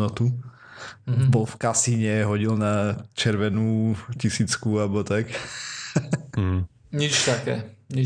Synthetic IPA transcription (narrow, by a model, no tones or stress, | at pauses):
nɔt̪u | bɔlfkasiɲɛɦɔɟilnat͡ʃɛɾʋɛnuːcisiːt͡skuabɔt̪ak | ɲit͡ʃt̪akɛːɲi